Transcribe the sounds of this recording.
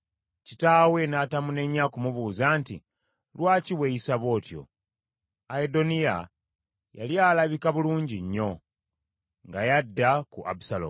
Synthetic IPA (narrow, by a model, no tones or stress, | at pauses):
citaːwe̞naːtamune̞ɲːakumuβuːzaːntḭ | lwaːciwejisaβo̞ːtjo̞̰ | aedo̞nija̰ | ja̰ljaːlaβikaβuluːɲɟiɲːo̞ | ŋɡajadːakuʔa̰busalo̰m